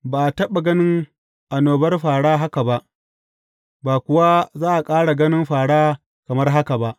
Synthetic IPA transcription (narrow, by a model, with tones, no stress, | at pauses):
baː˨ʔtɐ˦ɓa˨ɡɐ˦nɪ˦ŋ | ʔa˨noː˨bɐ˦rɸaː˨ɽaː˦ɦa˦ka˨ba˦ʔ | baː˨kʷʊ˨wa˦zaː˦ʔa˨kʼaː˦ɽa˨ɡɐ˦nɪ˦mɸaː˨ɽaː˦ | kɐ˨mɐ˦rɦa˦ka˨ba˦ʔ